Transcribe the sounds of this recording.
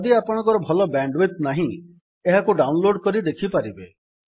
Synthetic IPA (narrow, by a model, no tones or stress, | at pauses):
d̪iapɔɽ̃ɔ̃ŋkɔɾɔbʱɔlɔbaɳɖwit̪naɦĩ | eɦakuɖawnloɖkɔɾid̪ekʰipaɾibe